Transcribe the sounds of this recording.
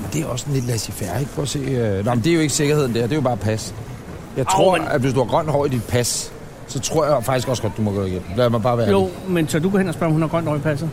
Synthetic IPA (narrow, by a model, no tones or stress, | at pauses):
mend̥e̝æɐɒ̽ssɔnle̝d̥læsifæɐeɡ̥pʰɒ̽se̝̰ːønɑɪmnd̥eɐjo̝e̝ɡ̥əse̝ɡ̥ɐɦe̝ð̞̰ˠn̩d̥æɐ̰d̥e̝jo̝bɑ̈ːpʰæs | jɑ̈ɪt͡sʰʁo̝ɐ̰æd̥ʋe̝sd̥uhɑ̈ɡ̥ʁɶn̰d̥ɒ̰ʊid̥id̥̚pʰæs | sɒ̽t͡sʰʁo̝ɐ̰jɑfɑ̈ɡ̥isɡ̥ɒ̽sɡ̥ɒ̽d̥dumɒɡ̥ɔ̰ːiɡ̥en̰m̩læmɑ̈b̥ɑ̈ːʋæːɐo̰mensʰɒɐd̥uɡ̥ɔ̰ːenɒsb̥ɶɐ̰mhunhæɐɡ̥ʁɶn̰d̥ɒ̰ipʰæs̬ð̩ˠ